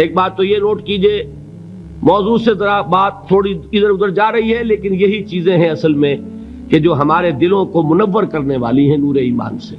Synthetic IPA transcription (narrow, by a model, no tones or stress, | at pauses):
eːk̚baːt̪̚ːojenoːʈkiːd͡ʒieː | mɔːzuːsezɐɾabaːt̪t̪ʰːoːɽiɪd̪əɾʊd̪əɾd͡ʒaːɾɐɦiɦɛleːkɪnjɐɦit͡ʃiːzẽɦɛ̃ɐsəlmẽ | ked͡ʒoːɦɐmaːɾed̪ɪlõkomʊnəʋːəɾkɐɾneʋa̰ːliɦɛ̃nuːɾeiːma̰ːnseː